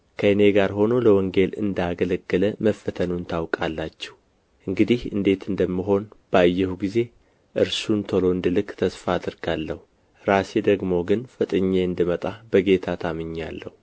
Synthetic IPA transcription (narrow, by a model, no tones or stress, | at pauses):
kʰəɨne̞ɡaɾɦo̞no̞ləwɔŋɡe̞lɨ̰nd̪aɡələɡːɨləməfːət̪ʰənunt̪ʰawkʼalːat͡ʃːɛh | ʔɨŋɡɨd̪ihɨ̰nd̪e̞t̪ɨnd̪əmːɨɦo̞nb̥ajːɛhuɡize̞ | ʔɨɾsunt̪ʰəlo̞ɨnd̪ɨlɨkʼt̪ʰəsfad̪ɨɾɡalːəhu | ɾase̞d̪əɡmoɡɨnfɨt̪ʼɨɲːeɨnd̪ɨmət̪ʼab̥əɡe̞t̪ʰat̪ʰamɨɲːalːəhu